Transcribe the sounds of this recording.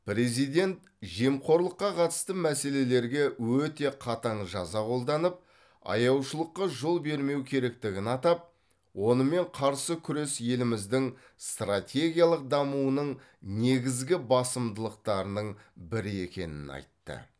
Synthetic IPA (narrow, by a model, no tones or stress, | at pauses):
pɾe̞zijd̪e̞nt̪ | ʒe̞mqʰo̞ɾlˠəqːɑqʰɑt̪əst̪əmæse̞le̞le̞ɾɡʲe̞wɵt̪e̞qʰɑt̪ɑɴʒɑzɑqʰo̞lˠd̪ɑnəp̚ | ɑ̰jɑwʃəlˠəqːɑʒo̞lˠbe̞ɾme̞wkʲʰe̞ɾe̞k̚t̪ɪɡʲɪnɑt̪ɑp̚ | wo̞nəme̞ɴqʰɑɾsəkʲʰʏɾesje̞lɪmɪzd̪ɪŋ | st̪rat̪ʲe̞ɡʲijalˠəq̚d̪ɑmuənəɴ | ne̞ɡʲɪzɡʲɪbɑsəmd̪əlˠəqt̪ɑɾənəɴbɪɾɪe̞kʲe̞̰nɪ̰nɑ̰jt̪ːə̰